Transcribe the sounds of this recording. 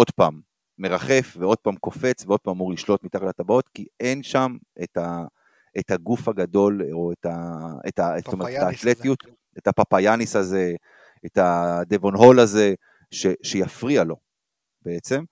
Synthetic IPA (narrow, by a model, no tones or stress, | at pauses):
o̞d̪paːmː | e̞ʁaχe̞fveo̞d̥̚pamko̞fe̞t͡sveo̞d̚pamamuʁliʃlo̞t̪mit̪aχlatabao̞t̪kie̞nʃameta | ethaɡufhaɡad̪o̞loetaetastoeet̪etaːt̪let̪ijut̪ | etapapajanisaze̞ | etad̪evo̞nɦo̞laze̞ | ʃeʃejafʁialo̞ | b̥e̞et͡se̞m